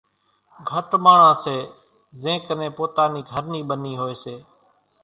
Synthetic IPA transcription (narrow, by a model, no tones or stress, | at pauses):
ɡʱəʈmaːɳ̤ãːseː | zẽːknẽːpoːt̪aːniːɡʱəɾniːɓəniːɦoːeːseː